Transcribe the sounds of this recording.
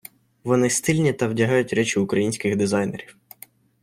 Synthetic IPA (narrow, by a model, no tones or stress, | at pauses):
ʋɔnɪst̪ɪlʲnʲit̪ɐwdʲɐɦɑjʊtʲɾɛt͡ʃɪʊkɾɐjinʲsʲkɪɣd̪ɪzɑjneɾʲiw